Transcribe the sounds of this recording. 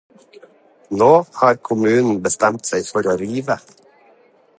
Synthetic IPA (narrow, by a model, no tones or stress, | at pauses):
noːhɑːɾkʰʊmʉːnn̩bəst̪ɛmt̪sæɪfɔɾoːɾiːʋə